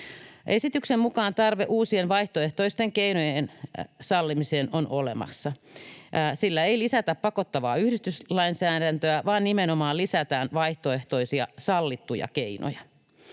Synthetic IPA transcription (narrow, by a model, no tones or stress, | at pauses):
ʔesit̪yksemmukɑːnt̪ɑrʋeʔuːsienʋɑiht̪oeht̪oist̪eŋkeinojensɑlːimiseːnonʔolḛmɑ̰sːɑ | silːæeilisæt̪æppɑkot̪ːɑʋɑ̰ːyhdist̪yslɑinsæːdænt̪øæʋɑːnnimenomɑːlisæt̪æːnʋɑiht̪oe̞ht̪oisiɑ̰sɑlːit̪ːujɑ̰keino̰jɑ